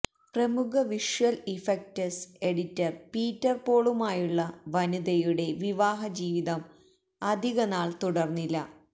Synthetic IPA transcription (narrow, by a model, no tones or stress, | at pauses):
prɐmukʰɐʋiʂʋɐlifek̚tɐse̞ɽitːɐrpiːtːɐrpoːɭumaːjuɭːɐʋɐnud̪ɐjuɽe̞ʋiʋaːɦɐd͡ʑiːʋiðɐm | ɐd̪ʱiɣɐnaːɭt̪uɽɐrnːilːɐ